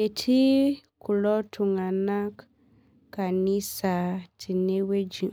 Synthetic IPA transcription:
e˨tʰi˦kʰʊ˨lɔ˦tʰʊ˨ŋa˨na˦kː | a˨nĩ˦sa˨tʰɪ˨nẽ˦we˦d͡ʒĩ˨

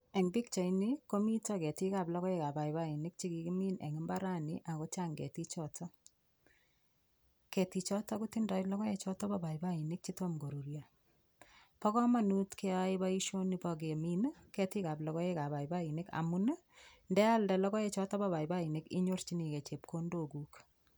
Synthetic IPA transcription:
e˨ŋbi˦kt͡ʃa˨jniko˦mi˦tɔkɛ˨tika˨plɔ˦kɔ˦e˦ka˨ba˨jba˦i˨nɪk̚t͡ʃi˦ki˨ki˦mi˦nḛ˨ŋɪ˦mba˦ɾa˦niʔa˨ko˦t͡ʃa˦ŋɡḛ˨ti˦t͡ʃɔtɔ˦ | ke˨tit͡ʃɔtɔ˦ku˦tindɔ˨ilɔ˦kɔ˦et͡ʃɔ˦tɔ˦ba˨ba˨iba˦i˨nɪ˦k̚t͡ʃito˦mɡo˨ɾu˨ɾja | pɔ˦kɔ˦ma˨nu˦tke˦a˦i˦ba˦i˦ʃo˦ni˨bɔ˨ɡ̬e˨mi˦n˦kɛ˨ti˦ka˨plɔ˨kɔ˦e˦ka˨ba˨i˨ba˦i˨nɪ˦ka̰˨mu˦n˦ | ndɛ˦a˦ldɛ˨lɔ˦kɔ˦e˦t͡ʃɔ˦tɔ˦ba˦ba˨i˨ba˦i˨nɪ˦kḭ˦ɲo˦rt͡ʃi˦ni˨ke˨t͡ʃe˨p̚ko˦ndo˨ku˦k

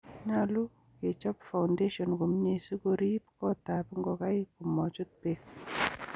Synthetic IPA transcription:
ɲalu˦ | ke˨t͡ʃɔ˦pfa˨wndeʃɔnko˨mɲesi˦koɾi˦p̚kɔt̪apŋɡɔ˨ka˦jkumɔ˨t͡ʃu˦t̪̚pe

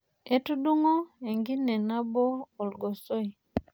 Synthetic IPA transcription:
e˦tu˦du˦ŋo˦e˨ŋɡi˦nɛ˨na˦boː˦˨lɡo˨so˦i˨

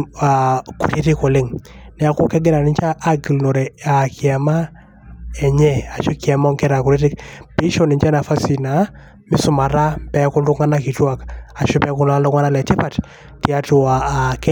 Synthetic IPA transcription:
a˨kṵ˨ɾe˦ti˦ko˨lɪ˦ŋnɛ˨a˨kʊ˦kɛ˦ɡɪ˦ɾa˨nɪ˨˦nt͡ʃa˦ʔːɡi˨lno˨ɾɛ˨a˨kʰɪ˨a˨ma˦ | ɛ˨ɲɛ˦a˨t͡ʃo˦ki˨a˨mɔ˦ŋkɛ˦ɾa˨ku˨ɾe˦ti˦kpi˦ʃɔ˦nɪ˨ɲt͡ʃa˦na˨fa˦si˨na˨ | mɪ˦sʊ˦ma˨ɾa˦pɛ˨˦kʊ˦ndʊ˦ŋa˦na˦ki˨twa˦ka˨t͡ʃʊ˦pɛ˦kʊ˦nla˦lɔ˦ŋa˦na˦lɛ˨tɪ˦pa˨t | ti˨˦a˦tʊ˨a˨k

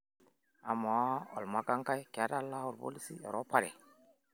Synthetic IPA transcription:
a˨ma˨˦o̰˨lma˦ka˦ŋka˦jke˨a˦ta˦lːa˦u˨ɾbo̰˦li˦sḭ˦ɔ̰˨ɾʔo˦pa˦ɾḛ˨

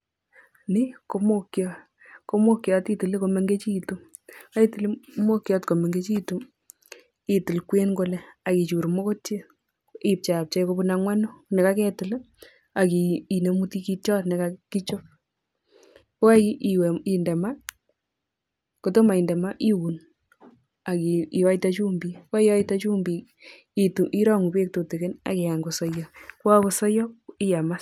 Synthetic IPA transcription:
ni˦ko˧mo˦kjɔ˦ | ko˨˦mo˦kjɔ˨ti˦tɨ˨li˦ko˧me˦ŋɡe˦t͡ʃiː˦˨tu˦ | a˦i˦ti˦li˦mo˦kjɔ˦tko˨me˨ŋɡe˦t͡ʃi˦tu˦ | i˨tɨ˨lkwe˦nɡo˦le˦a˨ki˨t͡ʃu˨ɾmo˦ko˦tje˦ | i˦p̚t͡ʃa˨p̚t͡ʃa˦jko˧bu˧naŋwa˦no˦ne˨ka˦kɛ˨tɨ˨l | a˨ki˨i˨ne˨mu˦ti˦ki˦tɔ˦tne˨kaki˦t͡ʃo˦ | ko˦a˦i˦˨wi˨ndɛ˨ma˦ | koto˦ma˨i˨ndɛ˨ma˦ʔi˦wu˨n | a˨kii˨wa˦itat͡ʃu˦mbi˨ka˦iwa˦itat͡ʃu˦mbi˨ | i˨tu˨ʔi˦ɾɔ˦ŋu˨be˦k̚to˨te˨ke˦na̰˨ke˨a˨ŋɡo˨sɔ˦jɔkwa˦ko˨sɔ˦jɔ˦i˦ja˨ma˦s

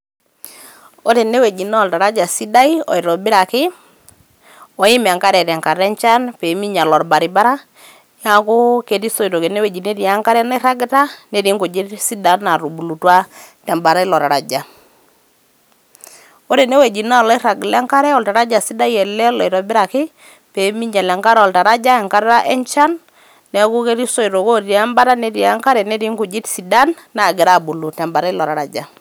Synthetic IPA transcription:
o˦ɾe˨ne˦we˨d͡ʒi˨na˦ɔ˨lta˨ɾa˦d͡ʒa˨si˦da˦i˦ɔ̰˨i˨ɾɔ˨bɪ˦ɾa˨kɪ˦ | ɔ˨jɪ˦m˨a˨ŋka˦ɾɛ˨ɾɛ˨ŋka˨ɾɛ˦nt͡ʃa˦npe˨mi˦ɲa˨lɔ˨ɾba˨ɾi˨ba˦ɾa˦ | ja˦kʊ˦ke˨ti˦so˦i˨ɾo˨ke˨ne˦we˨d͡ʒi˨ne˦ɾi˨a˦ŋka˦ɾɛ˦na˦ɾa˦ɡta˦ne˦ɾi˦ŋɡo˨d͡ʒe˦si˦da˨na˨ɾu˨bu˨lu˨twa˦tɛ˨mba˨ɾa˦ɪ˦lɔ˨ta˨ɾa˨d͡ʒa˨ | o˦ɾe˨ne˦we˨d͡ʒi˨na˦˨lɔ˦ɾa˨ɡlɛ˦ŋka˦ɾɛ˦ɔ˨lta˨ɾa˦d͡ʒa˨si˦da˦jɛ˨lɛ˦lɔ˨i˨ɾɔ˨bɪ˦ɾa˨kɪ˦ | pe˨˦mi˦ɲd͡ʒa˨lɛ˨ŋka˦ɾɔ˨lta˨ɾa˦d͡ʒa˦ɛ˨ŋka˦ɾɾa˦ʔɛ˦ɲt͡ʃa˦nː | ɛ˨˦ku˦ke˦ɾi˦so˦i˨ɾo˨ko˦i˨a˦mba˦ɾa˦ne˦ɾi˨a˦ŋka˦ɾɛ˨ne˦ɾi˦ŋɡu˨d͡ʒi˦tsi˨da˦nːa˨ɡɪ˨ɾa˦˨bu˨lu˨tɛ˨mba˨ɾa˦i˦lɔ˨ɾa˨ɾa̰˨d͡ʒa˨

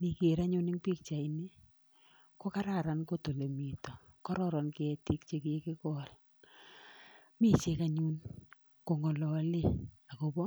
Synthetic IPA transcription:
ni˨ke˨ɾa˦ɲu˦nɪ˦ŋpi˦k̚t͡ʃa˨i˨ni˦ | ko˦ka˦ɾa˦˨ɾa˨nko˦to˨le˨mi˨tɔ˨kɔ˦ɾɔ˦ɾɔ˨nkɪ˦ɛ˦ti˦k̚t͡ʃe˦ke˦kɪ˦kɔ˦l | mi˦t͡ʃe˦ka˨ɲu˦n | ko˨ŋɔ˨lɔ˨˦le˦˨a˨ko˨bɔ˦

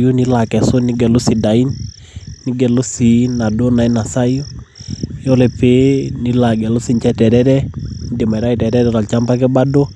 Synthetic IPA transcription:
ju˦ni˦la˨kɛ˨so˦nɪ˦ɡɛ˨lʊ˦si˨da˨i˦nː | ɪ˦ɡɛ˨lo˦si˨na˨do˦na˨i˦na˨sa˦ju˦ | o˦le˨pe˦ni˦la˨ɡɛ˨lo˦si˨ɲt͡ʃɛ˦tɛ˨ɾɛ˦ɾɛ˦n˨˦de˨ma˨ɪ˨ɾa˦i˨tɛ˨ɾɛ˦ɾɛɾɔ˨lt͡ʃa˦mba˦k̬ɛ˦ba˦do˦

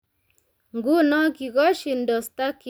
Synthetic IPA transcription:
ŋɡu˦nɔ˦ki˨ɣɔ˦ʃi˨ndɔ˨st̪a˦ki

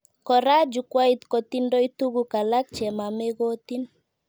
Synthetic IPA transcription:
kɔ˨ɾa˦d͡ʒu˨kwa˦i˦t̪ko˨t̪i˦ndɔ˦i˦t̪u˦ɡu˦ka˨la˦k̚t͡ʃɛ˨ma˨me˦ɡo˦t̪i˦n

